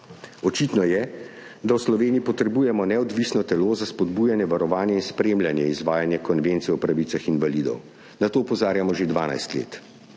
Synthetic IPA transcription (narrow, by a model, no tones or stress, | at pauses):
ɔt͡ʃit̪nɔjɛ | d̪awslɔʋeːniipɔt̪ɾɛbuːjɛmɔnɛɔd̪ʋisnɔt̪ɛloːzaspɔd̪buːjanjɛʋaɾɔʋaːnjɛinspɾeːmlʲjanjɛizʋaːjanjɛkɔnʋent̪sijɛɔwpɾaʋiːsaxinʋalid̪ɔ̰w | nat̪oːɔpɔzaːɾjamɔʒed̪ʋaːna̰jst̪lḛːt̪